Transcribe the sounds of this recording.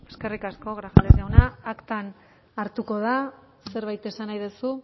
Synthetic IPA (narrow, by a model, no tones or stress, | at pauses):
e̞ske̞rikasko̞ɣɾaxalesawnaːkt̪an | aɾt̪uko̞ð̞a | se̞ɾβajt̪e̞sanajðesu